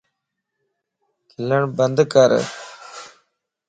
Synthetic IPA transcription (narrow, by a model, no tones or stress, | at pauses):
kiləɳbɐnd̪kɐɾ̰